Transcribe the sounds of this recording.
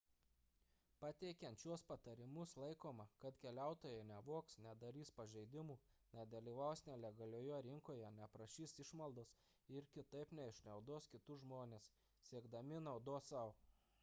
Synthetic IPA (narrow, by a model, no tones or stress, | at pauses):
pɐt̪ʲɛɪkʲɛnt̪t͡ʃʲuɔspɐt̪ɐɾʲɪmʊslˠɐɪkoːmɐkɐt̪kʲɛlʲæˑʊt̪oːjɛɪnʲɛʋoɔksnʲɛd̪ɐɾʲiːspɐʒʲɛɪd̪ʲɪmuː | nʲɛd̪ɐlʲiːʋɐʊsnʲɛlʲɛɡɐlʲoːjoɾʲɪŋkoːjɛnʲɛpɾɐʃʲiːsɪʃmɐlˠd̪oːs | ɪɾkʲɪt̪ɐɪpnʲɛɪʃʲnʲɛʊd̪oːskʲɪt̪ʊʒmoːnʲeːs | sʲiɛɡd̪ɐmʲɪnɐʊd̪oːsɐʊ